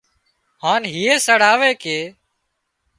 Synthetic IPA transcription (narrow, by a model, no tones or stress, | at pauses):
haːnɦiːeːsəɽaːʋeːkeː